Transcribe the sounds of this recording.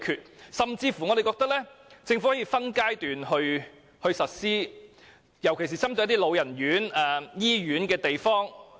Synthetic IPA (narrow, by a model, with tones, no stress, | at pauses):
kʰyː˨t̚sɐ˨mt͡siː˧fu˨ŋɔ˨˧ɾe˨jkɔː˧k̚t̪ɐ˥k̚lɛː˥t͡sɪ˧ŋfhɔː˨˥ji˧fɐ˥nkaː˥jt̪yː˨nhɵ˧ɥ | hɵ˧ɥsɐ˨t̚siː˥ | jɐ˨˩wkʰe˨˩s̬iː˨˩t͡sʰɐ˥mt̪ɔː˧jɐ˥t̪̬iː˥lo˨˧wjɐ˨˩nɥyː˨˥nɛː˨˩jiː˥ɥyː˨˥nkɛː˧t̪e˨jfɔː˥ŋ